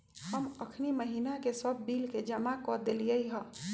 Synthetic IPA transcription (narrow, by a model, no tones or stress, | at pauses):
həməkʰniməɦinakesəbːilked͡ʒəmakɔd̪elijəjɦə